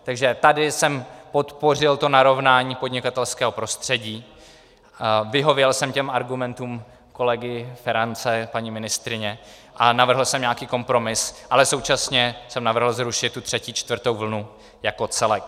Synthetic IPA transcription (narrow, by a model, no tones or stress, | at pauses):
t̪aɡʒɛt̪adɪsɛmpo̞t̪po̞rɪlt̪o̞naɾo̞vnaːɲiːpodɲɪkat̪ɛlskɛːɦo̞pɾo̞st̪r̝̥ɛɟiː | vɪɦo̞vjɛlsɛmcɛmaɾɡumɛnt̪uːm | ko̞lɛɡɪfɛɾant͡sɛpaɲimɪnɪst̪ɾɪɲɛ | ʔanavr̩ɦl̩sɛmɲakiːko̞mpɾo̞mɪsʔalɛso̞wt͡ʃasɲɛsɛmnavr̩ɦl̩zɾuʃɪt̪tːut̪r̝̥ɛciːt͡ʃt̪vr̩t̪o̞wvl̩nu | jako̞t͡sɛlɛk